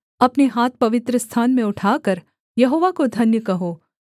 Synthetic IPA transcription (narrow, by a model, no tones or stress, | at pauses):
ɐpneɦaːt̪̚pɐʋɪt̪ɾəst̪ʰaːnmẽʊʈʰaːkɐɾ | jɐɦoːʋakod̪ʱɐnjəkɐɦoː